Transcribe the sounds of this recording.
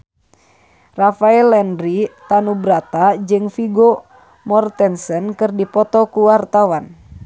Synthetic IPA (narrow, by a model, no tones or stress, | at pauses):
rafaɛlɛndɾit̪anubɾat̪ad͡ʒɨŋfiɡo | mɔrt̪ɛnsənkɨrdipɔt̪ɔkuwart̪awan